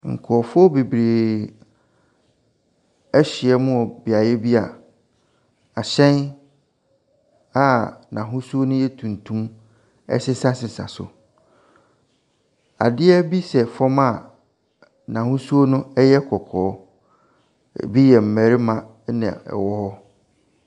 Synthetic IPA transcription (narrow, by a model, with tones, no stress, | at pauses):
ŋ̩˨kʰɔ˨ɔ˨fʊ˦ɔ˦be˨bɾeː˨ | ɛ˦ɕi˨ɛ˦mʊ̃˦ɔ˨bɪ˨a˨jɛ˦bi˦a˨ | a˨ɕɛ̃˦n | a˦nã˨ɦʊ̃˦su˦o˦nʊ̃˦jɛ˦tʰũ˨n˨tʰũ˦m | ɛ̰˦sɪ˦sa˦sɪ˨sa̰˨sʊ̰˨ | a̰˨dɪ˦ɛ˦bi˦sɛ˨fɔ̃˦ma˨ | nã˨ɦʊ̃˦su˦o˦nʊ̃˦ɛ˦jɛ˦kʰɔ˨kʰɔː˨˦˨ | bi˦jɛ˨m̩˨mæ˨ɾi˦mã˨˦ | nã̰˨ɛ̰˨wɔ˦hɔ˦